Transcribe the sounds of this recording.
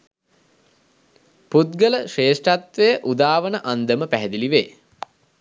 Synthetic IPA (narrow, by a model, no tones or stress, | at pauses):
put̪̚ɡələʂeːʂʈat̪ʋejəʔud̪aːʋənəʔand̪əməpæɦɛd̪iliʋeː